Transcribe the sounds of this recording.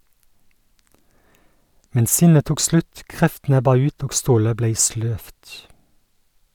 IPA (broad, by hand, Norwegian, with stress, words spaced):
ˈmɛn ˈsɪnə ˈtuːk ˈslʉt ˈkʁɛftn̩ ˈɛbɑ ˈʉːt ˈoːɡ ˈstoːlə ˈbleɪ ˈsløːft